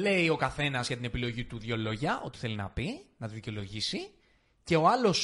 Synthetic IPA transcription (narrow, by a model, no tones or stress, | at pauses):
le̞io̞kɐθe̞nɐzʝɐt̪ine̞pilo̞ʝit̪uðʝo̞lo̞ʝɐʔo̞̰t̪i̥θe̞linɐ̰pinɐt̪uðice̞o̞lo̞ʝisi | ce̞o̞ɐlo̞s